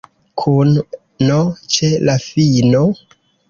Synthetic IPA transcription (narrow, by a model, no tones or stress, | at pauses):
kʰunː | ot͡ʃelafino